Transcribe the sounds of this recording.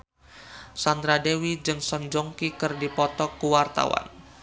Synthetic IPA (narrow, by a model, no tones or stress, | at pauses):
sand̪ɾadewid͡ʒɨŋsɔnd͡ʒɔŋkikɨrdipɔt̪ɔkːuwart̪a̰wa̰n